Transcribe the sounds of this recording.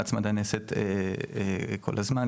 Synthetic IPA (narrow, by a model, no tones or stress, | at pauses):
at͡smad̪aneset̪e | kʰo̞̰lazman